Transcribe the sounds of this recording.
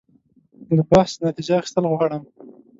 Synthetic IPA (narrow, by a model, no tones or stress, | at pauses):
d̪əbahsnat̪id͡ʒaːxi̥st̪əlɣwɑɽəm